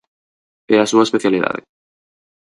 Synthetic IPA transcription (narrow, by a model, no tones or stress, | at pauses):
easuaespeθjaliða̰ðḛ